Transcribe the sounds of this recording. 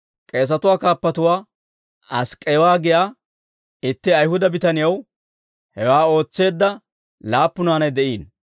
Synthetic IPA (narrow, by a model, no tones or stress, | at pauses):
kʼe̞ːs̬ɐt̪ʊwaːkaːpːɐt̪ʊwaː | ɐskʼːeːwaːɡɪjaː | ɪt̪ːɪɐjhʊd̪ɐbɪt̪ɐnɪjɐw | hɛwaːo̞ːt͡sːe̞ːd̪ːɐ | laːpːʊnaːnɐjd̪ɛʔiːn